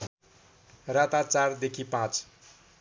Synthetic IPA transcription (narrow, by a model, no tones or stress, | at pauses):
rãt̪at͡sard̪ekʰipãt͡s